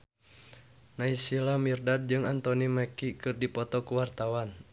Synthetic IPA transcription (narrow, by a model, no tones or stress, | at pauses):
naisilamirdad̚d͡ʒɨŋant̪ɔnimɛkikɨrdipɔt̪ɔkuwart̪awan